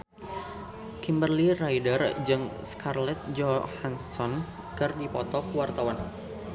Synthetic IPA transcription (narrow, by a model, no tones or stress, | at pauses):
kimbərlirajdərd͡ʒɨŋskarlɛt̪̚d͡ʒɔhansɔn | kɨrdipɔt̪ɔkəwart̪awan